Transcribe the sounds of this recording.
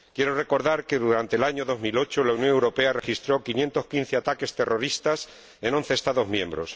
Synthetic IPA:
kjeɾore̞ko̞ɾðaɾkeðuɾant̪elaɲoðo̞zmilo̞t͡ʃolaunjõ̞ŋewɾo̞pe̞are̞xist̪ɾo̞kinje̞nt̪o̞skinθeat̪ake̞st̪e̞ro̞ɾist̪as | e̞no̞nθe̞ːst̪aðo̞zmjẽ̞mbɾo̞̰s

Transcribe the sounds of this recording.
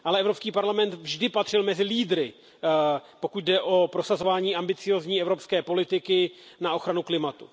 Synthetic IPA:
ʔalɛɛvɾo̞pskiːpaɾlamɛnt̪vʒdɪpat̪r̥ɪlmɛzɪliːdɾɪ | po̞kut̪̚dɛʔo̞pɾo̞sazo̞vaːɲiːʔambɪt͡sɪjo̞ːzɲiːɛvɾo̞pskɛːpo̞lɪt̪ɪkɪnao̞xɾanuklɪmat̪u

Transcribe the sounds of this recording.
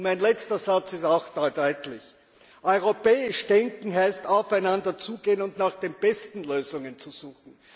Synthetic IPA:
mæɪnlɛt͡stɐzat͡sɪstaʊxd̥ɔdɔʏtlɪç | ʔɔʏʁopɛːɪʃd̥ɛŋkŋ̩ɦæɪstaʊfæɪnandɐt͡suːɡ̥eːənʊntnaːχd̥eːnb̥ɛstn̩løːzʊŋənt͡suz̥uːxn̩

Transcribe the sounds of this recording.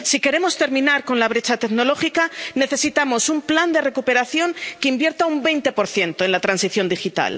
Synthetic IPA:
sike̞ɾe̞mo̞st̪e̞ɾmĩnaɾko̞nlaβ̞ɾe̞t͡ʃat̪e̞kno̞lo̞xikane̞θe̞sit̪amo̞sumpland̪e̞re̞kupe̞ɾaθjo̞ŋkeimbje̞ɾt̪aumbe̞jnt̪e̞po̞ɾθje̞nt̪o̞e̞nlat̪ɾansiθjo̞nd̪ixit̪a̰l

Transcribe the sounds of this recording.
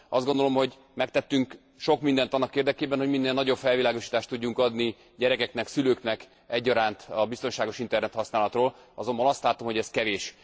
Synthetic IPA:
ɒzd̪ɡo̞nd̪o̞lo̞mho̞ɟ | mɛk̚t̪ɛt̪ːyŋk | ʃo̞kmind̪ɛnt̪ɒnːɒkeːrd̪ɛkeːbɛnho̞ɟminːeːlnɒɟo̞bfɛlvilaːɡo̞ʃiːt̪aːʃt̪ːuɟːuŋkɒd̪ni | ɟɛɾɛkɛknɛksyløːknɛk | ɛɟːɒɾaːnt̪ɒbist̪o̞nʃaːɡo̞ʃint̪ɛrnɛt̪hɒsnaːlɒt̪roːl | ɒzo̞mbɒnɒst̪laːt̪o̞mho̞ɟɛskɛveːʃ

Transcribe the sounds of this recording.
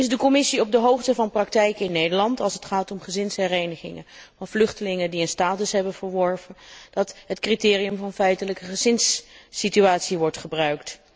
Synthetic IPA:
ɪzdəkɔmɪsiɔb̚dəɦowχtəvɑnprɑk̚tɛjkɪnːejdəɹlɑntɑlˠsətχaːtɔmχəzɪnsɦɛrejnəχɪ̰ŋə̰nvɑnvlɵχtəlɪŋəndiənstaːtəsɦɛbənvəɹʋɔɹvənd̥ɑtɦətkritɪːriɵmvɑnfɛjtələkəχəzɪnsːityaːtsiʋɔɹtχəbrœɥkt

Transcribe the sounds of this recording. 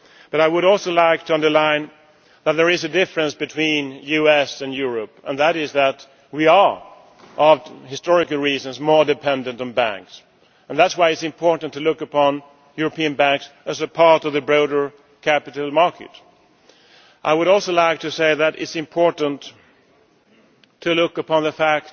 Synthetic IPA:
b̥ʌɾaɪwəɾɔlˠsoʊlaɪk̚tʰɨʌ̃ndə˞lãɪ̃n | ðət̪̚ðə˞ɪzɨdɪfɹɨ̃nsb̥ɨtʰw̥ĩnjʉɛsɨ̃njʊɹɨpə̰̃nðəɾɪzðət̚ | wiə˞ | ʔʌvhɪstɔɹɨkəl̩ˠɹizə̃nzmɔɹdɨpʰɛ̃ndɨ̃ntn̩bæ̰̃ŋks | ə̃nðætswaɪɨtsɨ̃mpʰɔɹʔn̩tʰɨlʊkəpʰɑ̃n | jʊɹɨpĩɨ̃nbæ̃ŋksɨzɨpʰɑɹɾʌvðɨbɹoʊɾə˞ | kʰæpɨɾl̩ˠmɑɹkʰɨ̰t | ʔaɪwəɾɔlˠsoʊlaɪk̚tʰɨseɪðɨɾɪ̰tsɨ̃mpʰɔɹʔn̩t | tʰɨlʊkəpʰɑ̃nðəfæk̚

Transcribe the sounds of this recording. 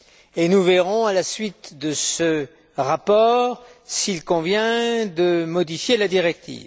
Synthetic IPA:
enuveʁɔ̃alasɥit̪d̪əsə | ʁapɔːʁsilkɔ̃vjɛ̃d̪əmɔd̪ifjelad̪iʁɛk̚t̪ʰḭːv

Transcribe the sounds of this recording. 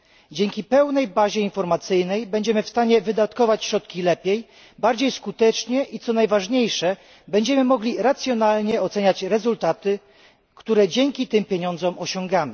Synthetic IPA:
d͡ʑɛŋkʲipɛwnɛjbaʑɛinfɔɾmat̪sɘjnɛjbɛɲd͡ʑɛmɘfst̪aɲɛvɘd̪at̪kɔvat͡ɕɕɾɔt̪̚kʲilɛpʲjej | baɾd͡ʑejskut̪ɛt͡ʂɲɛʔit̪sɔnajvaʐɲejʂɛ | bɛɲd͡ʑɛmɘmɔɡlʲiɾat̪sʲjɔnalɲɛɔt̪sɛɲat͡ɕɾɛzult̪at̪ɘ | kt̪uɾɛd͡ʑɛŋkʲit̪ɘmpʲjeɲɔnd̪zɔmʔɔɕɔŋɡamɘ

